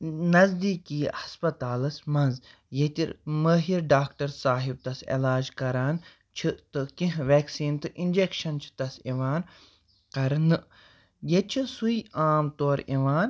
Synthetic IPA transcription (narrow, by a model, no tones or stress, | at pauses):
nɐzd̪iːkiːhɐspɐt̪aːlɐsmɐnz | jet̪iɾmɐːɦiɾɖaːkʈɐɾsaːɦib̚t̪ɐsḛlaːd͡ʒkɐɾaːn | t͡ʃʰit̪ɨkĩɦʋɛːksiːnt̪ɨʔinʲd͡ʒekʃɐnt͡ʃʰi̥t̪ɐseʋaːn | kɐɾnɨ | jet͡ʃʰisuiaːmt̪oːɾeʋaːn